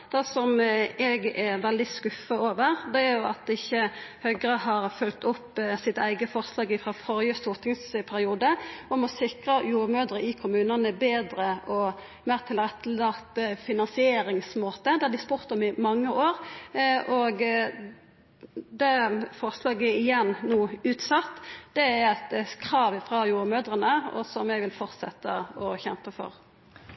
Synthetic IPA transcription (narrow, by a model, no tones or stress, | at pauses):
d̪̥ɛsɔmɛɡɛʋɛld̪ɪskʉfəoːʋəʁd̪ɛæɾjʊɑt̪̚ɪçːəhœɡɾəhɑːɾfʉlt̪ɔpːsɪt̪əæɪɡəfɔʁslɑːɡɪfʁɑfɔɾjəst̪ʊt̪ɪŋspʰæɾɪuːd̪əɔmɔsɪkʁəjuːʁmøːd̪ɾəɪkʰʊmʉːnənəbeːd̪ɾəʔɔ | meːʁt̪ʰɪlʁɛt̪ʰːəlɑːt̪fɪnɑnsɪeːɾɪŋsmoːt̪əd̪ɛhɑd̪ɪspuːʁt̪ɔmɪmɑŋːəʔoːʁ | ɔɡ | d̪ɛfɔʁslɑːɡəɪjɛnːnuːʉːt̪sɑt̪ːd̪̥ɛæɾɛt̪kʰɾɑːʋɪfʁɑjuːɾəmøːd̪ʁənəɔ̰sɔmɛɡʋɪlfɔʁt̪sɛ̰t̪ːəɔçɛmpəfɔ̰ʁ